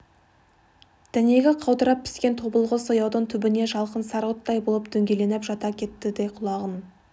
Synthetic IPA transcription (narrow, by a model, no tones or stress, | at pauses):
d̪̥æne̞ɡʲɪqʰɑwd̪əɾɑp̚pʰːɪ̥skʲe̞nt̪ʰo̞bəlˠʁəsojɑwd̪əɴt̪ʰʏbɪne̞ʒɑlˠqənsɑɾot̪ːɑjbolˠəp̚d̪̥ɵŋɡʲele̞nɪpʒɑt̪ɑkʲʰe̞t̪ːɪd̪ejqʰʊlˠɑʁən